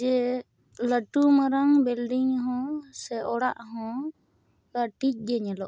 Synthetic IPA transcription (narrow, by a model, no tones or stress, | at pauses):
ɛ | ləʈumaɾaŋbilɖiŋɦɔ̃sɛʔɔɽaʔɦɔ̃ | kaʈic̚ˀɡɛɲɛlɔʔ